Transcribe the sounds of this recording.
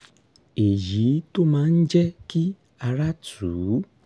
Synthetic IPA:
e˨ji˨˦to˦mãː˨˦n̩˦d͡ʒɛ˦ki˦ | a˧ɾa˦tuː˨˦

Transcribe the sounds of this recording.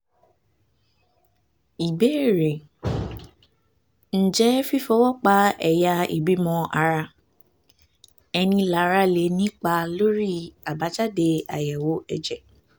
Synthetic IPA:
i˨be˦˨ɾe˨ | n̩˨d͡ʒɛ˦fi˦fɔ˦wɔ˦k͡pa˦ɛ̰˨ja˧ḭ˨bi˨˦mɔ̃˧a˧ɾa˧ | ɛ˧nĩ˧la˨˦ɾa˧˦le˨˦nĩ˦k͡pa˧lo˦ɾi˦a˨ba˨˦t͡ʃa˦de˧a̰˨jɛ˨wo˨˦ɛ˧d͡ʒɛ˨

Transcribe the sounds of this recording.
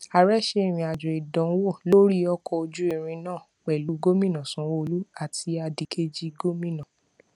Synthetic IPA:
a˨ɾɛ˦˨ʃe˧e˦˨ɾ̃ĩ˧˨a˨d͡ʒɔ˨i˨dɔ̃˨˦wo˦˨lo˦ɾi˦ɔ˧kɔ˧o˧d͡ʒu˦e˦˨ɾ̃ĩ˧nãː˦˨ | k͡pɛ˨lu˨˦ɡo˦mĩ˦nã˨sũ˨˦wo˦˧lu˦a˦˨tʰi˧a˧di˨˦kʰe˦d͡ʒi˦ɡo˦mĩ˦nã˨

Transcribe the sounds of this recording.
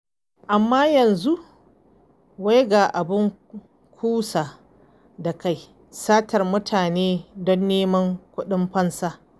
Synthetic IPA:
ʔa˨mːaː˦jɐ˨nzu˦ʔ | wa˦jɡaː˨ʔa˨bɪ˦ŋ | kʷʰuː˦sa˨ | da˨ka˦j | saː˦tʰɐ˨rmʊ˦tʰaː˨neː˦dɔ˦nːeː˦mɐ˦ŋkʷʊ˦ɗɪ˦mɸɐ˦nsaː˦

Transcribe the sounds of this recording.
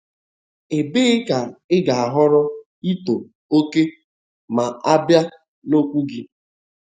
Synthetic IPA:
e˨be˦ɪ˦ka˨ɪ˦ɡa˨a˨ɦɔ˦ɾɔ˦ | i˦to˨ | o˦ke˦ | ma˨a˦bja˦ | no˦kʷu˦ɡɪ˦

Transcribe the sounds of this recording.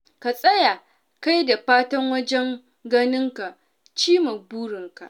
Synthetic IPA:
ka˨sʼɐ˦ja˨ | ka˦jda˨ɸaː˦tɐ˦ŋwɐ˦d͡ʒɛ˦ŋ | ɡɐ˦nɪ˦ŋka˨ | t͡ʃiː˦ma˨buː˦ɽɪ˨ŋka̰˨ʔ

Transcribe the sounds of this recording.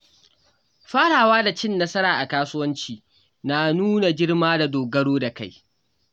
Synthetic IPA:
ɸaː˦ɽaː˨waː˦da˨t͡ʃɪ˦nːɐ˦sɐ˦ɾaː˨ʔa˨kaː˦sʊ˦wɐ˦nt͡ʃiː˨ | naː˨nuː˦na˨d͡ʒɪ˦ɽmaː˦da˨doː˨ɡɐ˦ɽoː˦da˨ka˦˨j

